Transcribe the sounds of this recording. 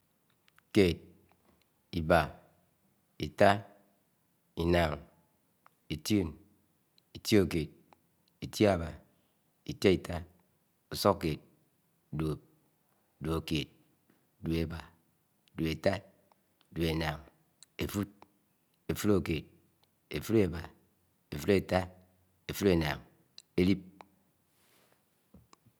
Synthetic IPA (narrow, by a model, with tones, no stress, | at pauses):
ke˨t̚ | i˨ba˨ | i˨ta˦ | i˨na˨ŋ | i˨tu˦˨n | i˨tji˦o˨ke˨t̚ | i˨tji˦a˦˨ba̰˨ | i˨te˦i˨ta˦ | o˨so˦kke˨t̚ | do˨p̚ | du˨o˨ke˨t̚ | du˨e˨ba˨ | du˨e˨ta˦t̚ | du˨e˨na˨ŋ | e˨fu˦t̚ | e˨fu˦ɾo˨ke˨t̚ | e˨fu˦ɾe˨ba˨ | e˨fu˦ɾe˨ta˦ | e˨fu˦ɾe˨na̰˨ŋ | e˦li˦p̚